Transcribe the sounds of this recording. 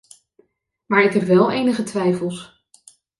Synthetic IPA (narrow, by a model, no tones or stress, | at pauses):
maːɹɪkɦɛpʋɛlˠejnəχətʋɛjfəlˠs